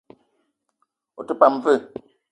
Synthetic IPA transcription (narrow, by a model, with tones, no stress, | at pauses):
o̰˨tə˦pa˨m˨vɨ˦˨